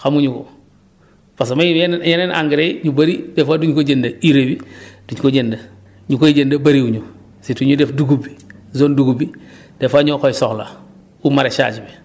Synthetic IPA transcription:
xamuɲuko̰ | pas̬amajenjenenʔa̰ŋɡiɾejɲubaɾidefaduɲkoɟendaiɾebid̥uɲkoɟenda | ɲukojɟendabaɾiuɲu | situɲudefduɡubizoːnduɡubi | d̥efaɲokojsoxla̰ | umaɾet͡ʃa̰ɟibe

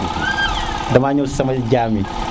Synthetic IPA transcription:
damaɲosɐmad͡ʒʲami

